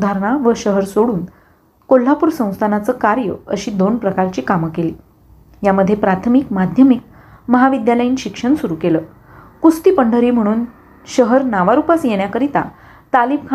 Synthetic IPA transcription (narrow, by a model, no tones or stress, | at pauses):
d̪ʱaɾɳ̃aʋəɕəɦəɾsoɽuːn | kol̤ːapuːɾsə̃w̃st̪ʰanat͡səːkaɾjə̰əɕiːd̪onpɾəkaɾt͡ɕiːkamkeliː | jaməd̪ʱːjepɾat̪ʰmikmad̪ʱjəmik̚ | məɦaʋid̪jaləjiːnɕikʂəɳsuɾukeləː | kust̪iːpəɳɖʱəɾiːm̤əɽ̃uːn | ɕəɦəɾnaʋaɾupasjeɽ̃jakəɾit̪a̰ | t̪alib̚kʰ